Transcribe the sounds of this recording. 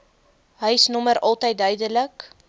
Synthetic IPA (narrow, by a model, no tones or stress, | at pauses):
ɦəjsnɔməɾɐlˠtəjt̚dœɥdələk